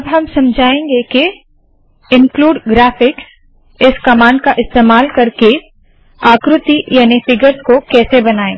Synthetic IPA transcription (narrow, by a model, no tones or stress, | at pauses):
ɐbɦɐmsɐmd͡ʒʱaːẽːŋɡeke | ɪ̃nkluːɖɡɾaːfɪks | ɪskɐmãːɳɖ̚kaʔɪst̪eːmaːlkɐɾke | aːkɾʊt̪ijaːnifɪɡəɾskokɛːsebɐnaːẽ